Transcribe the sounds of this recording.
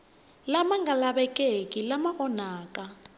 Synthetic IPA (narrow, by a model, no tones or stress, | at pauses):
lamaŋɡalaɓɛkʼekʼilamaɣɔnaːkʼa